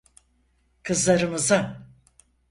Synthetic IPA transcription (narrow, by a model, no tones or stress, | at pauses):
kʰɯzlˠaɾɯmɯza